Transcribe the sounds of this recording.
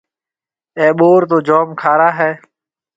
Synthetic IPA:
eːɓoːɾt̪̬oːd͡ʒoːmkʰaːɾaːɦɛː

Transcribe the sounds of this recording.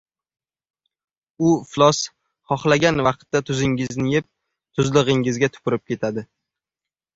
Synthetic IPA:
ʊflˠɒs | χɒχlaɡʲanvɑq̚t̪ːat̪ʰʊzɪŋɪznɪjɪp̚ | t̪ʰʊzlˠɨʁɪŋɪzɡʲat̪ʰʊ̥pʊɾɪp̚kʲe̞t̪ʰad̪ɪ

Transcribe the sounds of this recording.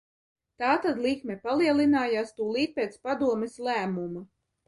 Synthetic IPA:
t̪aːt̪ad̪lˠikmɛpalˠiɛlˠinaːjaːst̪uːlˠiːt̪̚peːt̪spad̪uɔmɛslˠæːmuma

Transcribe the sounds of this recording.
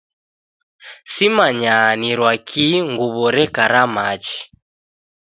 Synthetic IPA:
simaɲaniɾwakʰiŋɡuβɔɾɛkaɾamat͡ʃi̥

